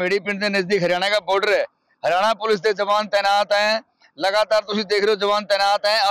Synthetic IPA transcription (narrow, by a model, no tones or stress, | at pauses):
eːɽiːpɪɳd̪eːnəzd̪iːkɦəɾjaːɽ̃eːkaːboːɾɖəɾɦɛː | ɦəɾɪjaːɽ̃aːpʊlɪs̬d̪eːd͡ʒəʋaːnt̪ɛːnaːt̪ɦɛ̃ː | ləɡaːt̪aːɾt̪ʊsĩːd̪eːkʰɾeoːd͡ʒəʋaːnt̪ɛːnaːt̪ɦɛ̃ːə